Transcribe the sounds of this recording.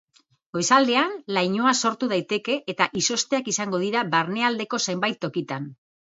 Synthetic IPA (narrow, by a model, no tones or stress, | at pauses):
ɡo̞jsald̪e̞anlajɲo̞aso̞ɾt̪uð̞ajt̪e̞ke̞ʔːt̪aʔiso̞st̪e̞akisaŋɡo̞ð̞iɾaβaɾne̞ald̪e̞ko̞sejmbajt̪ːo̞kit̪an